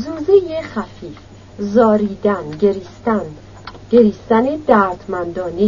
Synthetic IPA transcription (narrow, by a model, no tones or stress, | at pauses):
zuːzejexæfiːf | zɒːɾiːd̪ænɡeɾist̪æn | ɡ̥eɾiːst̪æned̪æɾd̪mænd̪ɒːne